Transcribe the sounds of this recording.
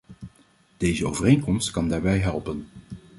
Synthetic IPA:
d̥ejzəoːwvərejnkɔmstkɑndaːɹbɛjɦɛlˠpən

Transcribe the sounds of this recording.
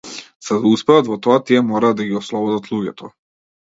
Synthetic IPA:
z̥ad̪auspɛvat̪vɔt̪ɔat̪iɛmɔɾaːd̪aɡiɔslˠɔbɔd̪at̪lˠuɟɛt̪ʰɔ

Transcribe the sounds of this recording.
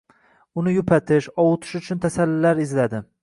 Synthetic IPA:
ʊnɪjʊpʰat̪ʰɪʃɒwʊt̪ʰɪ̥ʃʊt͡ʃʰʊnt̪ʰasalːɪlːaɾɪzlad̪ɪ

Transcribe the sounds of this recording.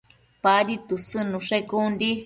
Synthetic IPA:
paɾit̪ɨsɨnũʂekundi

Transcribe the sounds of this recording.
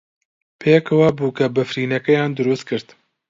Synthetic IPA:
pʰeːkɐwabuːkɐbɐfɾiːnɐkɐjaːnd̪ʊɾuːst̪̚kʰɨɾt̪

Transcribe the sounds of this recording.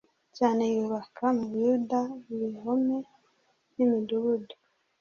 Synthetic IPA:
caːne̞juːβakʰamuβjudaβiɦome | nimiduβudu̥

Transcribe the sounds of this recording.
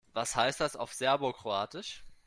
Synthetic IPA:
vashaɪst̚d̥asa̰ʊfz̥ɛɐbʊɐkʁ̥oaːtɪʃ

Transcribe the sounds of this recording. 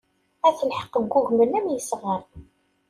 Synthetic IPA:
æθəlħə̥qːəɡʷːuɣmənæmjəsʁəɾˤ

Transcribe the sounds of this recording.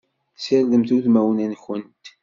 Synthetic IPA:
səlðəmθuθmæwənænçənt̪

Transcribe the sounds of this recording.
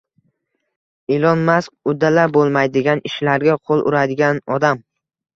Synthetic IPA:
elɒnmaskʊd̪ːalabolˠmajd̪ɪɡʲanɪʃlaɾɡʲaqʰolˠʔʊ̰ɾad̪ɪɡʲanɒd̪am

